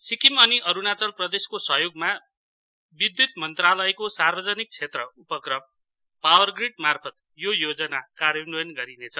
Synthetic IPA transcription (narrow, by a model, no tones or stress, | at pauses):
sikimʌniʔʌɾunat͡sʌlprʌd̪eskosʌɦjoɡma | bid̪wit̪mʌnt̪ralʌjkosarbʌd͡zʌnik̚t͡sʰet̪rʌupʌkrʌm | pawʌrɡriɖmarpʰʌt̪ | jojod͡zʌnakaɾjʌnujʌnɡʌɾinet͡sʰʌ